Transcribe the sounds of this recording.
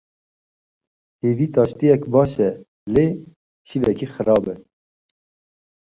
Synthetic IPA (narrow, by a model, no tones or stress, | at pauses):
heːviːt̪ɑːʃt̪ijɛkbɑːʃɛ | leː | t͡ʃʰivɛkixɨɾɑːbɛ